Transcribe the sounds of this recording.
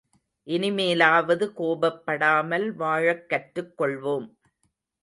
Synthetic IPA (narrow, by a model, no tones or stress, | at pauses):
ʔɪnɪmeːlaːʋɐðɯkoːbɐpːɐɽaːmɐlʋaːɻɐkːɐʈɾɯkːɔɭʋoːm